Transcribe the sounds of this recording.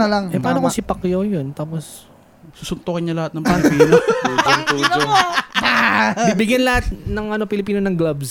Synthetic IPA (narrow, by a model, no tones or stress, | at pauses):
ɐlaŋʔɛpaaːnokosɪpɐkjojont̪aːpos | suːsʊnt̪okɪɲɲɐlɐhat̪nɐŋpɐnpiːnooŋt̪uːdoabibɪɡjɐnlɐhat̪̚nɐŋɐno̞pɪlɪpiːnonɐŋɡlabs